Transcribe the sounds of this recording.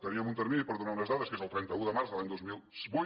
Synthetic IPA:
t̪ɐɾiɐmunt̪əɾminipoɾðunanɐzðaðɐskeɐlˠt̪ɾɛnt̪ɐuðəmaɾsðəlaɲd̪ozmilˠsβu

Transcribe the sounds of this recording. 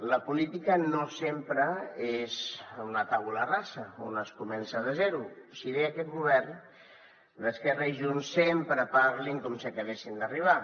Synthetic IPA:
ləpulit̪ikənosempɾəezunət̪aularasəo̰nəskumɛnsəðəzɛɾusiβeakɛt̪̚ɣuβɛɾn | ləskɛraiʒunsːempɾəpaɾliŋkɔmsiəkəβesind̪əriβ̞a

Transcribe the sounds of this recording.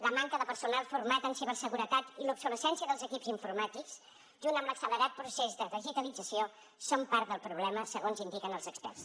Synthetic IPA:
ləmaŋkəðəpəɾsunalˠfuɾmat̪ənseβəsəɣuɾət̪at̪ilupsuləsɛnsiəðəlˠzəkipziɱfuɾmat̪iks | ʒunt̪əmləksələɾat̪̚pɾusezðəðiʒit̪əlid͡zəsio | sompaɾt̪ðəlˠpɾuβ̞lɛməsəɣonzind̪ikənəlˠzəkspɛ̰rs

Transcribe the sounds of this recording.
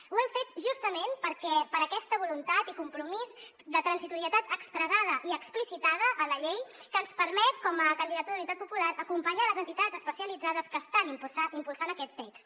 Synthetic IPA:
uɛmfet̪ʒust̪əmenpəɾkɛpəɾəkɛst̪əβulunt̪at̪ikumpɾumiz | d̪ət̪ɾənsit̪uɾiət̪at̪əkspɾəzað̞əʔiəksplisit̪aðəʔːləʎejkəːnspəɾmɛt̪kɔməkənd̪iðət̪uðəunit̪at̪̚pupulaɾəkumpəɲaləzənt̪it̪azəspəsiəlid͡zaðəskəːst̪animpusaimpulˠsanəkɛt̪ːɛks

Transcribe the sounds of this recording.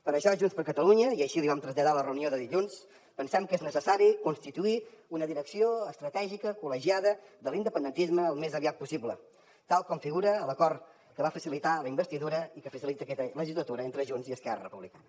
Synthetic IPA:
pəɾəʃɔʒunspəɾkət̪əluɲəiəʃiliβamt̪ɾəzʎəðalərəunioðəðiʎuns | pənsɛmkeznəsəsaɾikunst̪it̪uiunəðiɾəksioəst̪ɾət̪ɛʒikəkuləʒiaðəðəlind̪əpənd̪ənt̪izməːlˠmezəβiat̪̚pusiblə | t̪alˠkɔmfiɣuɾəːləkɔrt̪ | kəβafəsilit̪aləimbəst̪iðuɾəikəfəsilit̪əkɛt̪ələʒizlət̪uɾəent̪ɾəʒunziəskɛrə̰rəpuβlikanə

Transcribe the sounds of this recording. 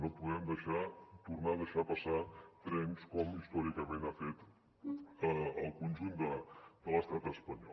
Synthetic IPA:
nopuðɛmd̪əʃat̪urnaðəʃapəsat̪ɾɛnskɔmist̪ɔɾikəmẽnafet̪ | əːlˠkunʲʒund̪əd̪ələst̪at̪əspəɲɔ̰

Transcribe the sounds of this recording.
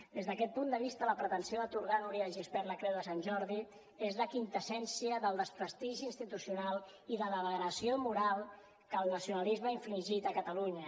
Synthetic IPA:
d̪ezðəkɛt̪̚pund̪əβist̪ələpɾət̪ənsioðət̪uɾɣanuɾiəʒispɛɾləkɾewðəsanʲʒɔɾði | ezləkint̪əsɛnsiəðəlˠd̪əspɾəst̪iʒiːnst̪it̪usiunalˠ | iðələβəɣɾəsiomuɾalˠ | kəlˠnəsiunəlizməiɱfliʒit̪əkət̪əluɲə

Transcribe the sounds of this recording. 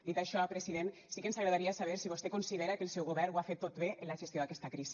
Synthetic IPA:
d̪it̪aʃɔpɾesiðensikəensaɣɾaðaɾiasaβ̞eɾsiβ̞ost̪ekunsiðeɾakelˠsɛwɣoβɛɾnwafet̪ːot̪βeʔenlaʒesjoðakɛst̪akɾisi̥

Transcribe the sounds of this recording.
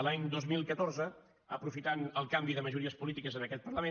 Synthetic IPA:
laɲd̪ozmilˠkət̪orzə | ə̰pɾufit̪anəlˠkambiðəməʒuɾiəspulit̪ikəzənəkɛt̪pərləme

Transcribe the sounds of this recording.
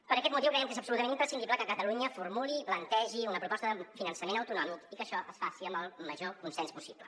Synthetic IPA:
pəɾəkɛt̪̚mut̪iwkɾɛjəmkezəpsulut̪əmeñimpɾəsind̪ibləkəkət̪əluɲəfuɾmuliplənt̪ɛʒiunəpɾupɔst̪əðəfinənsəmenəwt̪unɔmikikəʃɔʔəsfasiəmbəlˠməʒokunsɛnspusiplə

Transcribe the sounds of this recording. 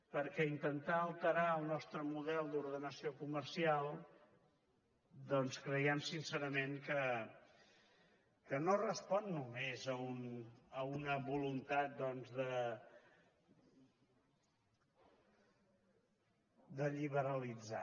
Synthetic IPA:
pəɾkɛint̪ənt̪aəlˠt̪əɾaəlˠnɔst̪ɾəmuðɛlˠd̪uɾðənəsiokuməɾsialˠ | d̪ɔnskɾəjɛmsinsəɾəmeŋkə | kənorəspɔnːumezəunəunəβulunt̪at̪̚d̪ɔnzðə | d̪əʎiβ̞əɾəlid͡za̰

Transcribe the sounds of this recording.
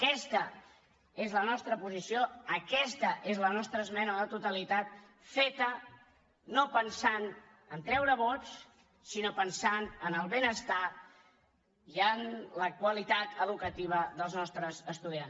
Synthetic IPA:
əkɛst̪ə | ezlənɔst̪ɾəpuzisioəkɛst̪əʔezlənɔst̪ɾəːzmɛnəðət̪ut̪əlit̪at̪ | fet̪ə | nopənsan | ənt̪ɾɛwɾəβɔt͡s | sinopənsanənəlˠβenəst̪a | iənləkwəlit̪at̪əðukət̪iβ̞əðəlˠznɔst̪ɾəzəst̪uðians

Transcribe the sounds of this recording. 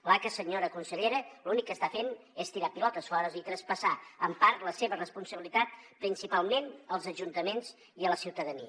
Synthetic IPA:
lakəsəɲoɾəkunsiʎeɾəlunikːəst̪afenest̪iɾapilɔt̪əsfɔɾəzit̪ɾəspəsaəmpaɾt̪ləseβərəspunsəβilit̪at̪̚pɾinsipalˠmenəlˠzəʒunt̪əmenz | iələsiwt̪əðənḭə

